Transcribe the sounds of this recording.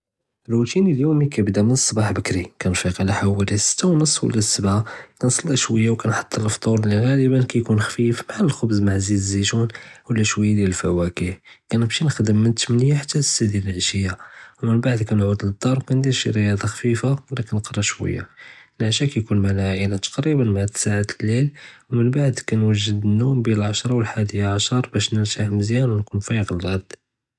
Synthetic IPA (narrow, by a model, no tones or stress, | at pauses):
əlut̪iniljumikæbd̪æmənəsˤːɑbɑħbəkɾikænfiqʕlæħawælisə̥t̪ːawnəsˤːwə̰lːæsːəbʕakænsˤɑlːiʃwəjːawkænħɑ̥t̪ˤːənəlft̪ˤuɾˤliɣæləbənkæjkunxfifmaʕaləlxʊbzmaʕziziʒunwəlːæʃwəjːad̪jæləlfæwækihkænəbʃinəxd̪əmːənt̪əmnjaħḁt̪ːæəsæd̪jæləlʕʃəjːawmənbaʕd̪kænʕud̪ləd̪ːɑɾˤkænd̪iɾʃiɾəjɑd̪ˤɑxfifawəlːækænːqɾˤɑʃwə̰jːa̰lʕaʃækæjkunmalæʕinat̪ɑ̥qɾibənmaʕat̪saʕat̪əlːilwmənbaʕd̪kænwəʒːəd̪ənːumbinəlʕaʃɾˤɑwəlħad̪əjaʕaʃɑɾˤbæʃnəɾt̪aʕməzjænwnkunfæjəɣəlɣæd̪